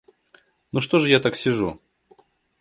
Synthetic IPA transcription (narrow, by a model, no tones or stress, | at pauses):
nuʂt̪oʐɨjat̪aksʲɪʐu